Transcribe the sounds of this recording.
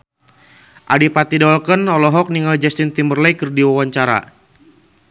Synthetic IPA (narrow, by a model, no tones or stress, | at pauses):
ʔadipat̪idɔlkənɔlɔɦɔk̚niŋald͡ʒast̪int̪imərlajkərdiwawaɲt͡ʃaɾa̰